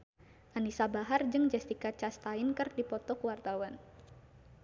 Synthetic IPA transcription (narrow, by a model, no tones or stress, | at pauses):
ʔanisabaɦard͡ʒɨŋd͡ʒɛst̪ikat͡ʃast̪aɪnkɨrdipɔt̪ɔkuwart̪awan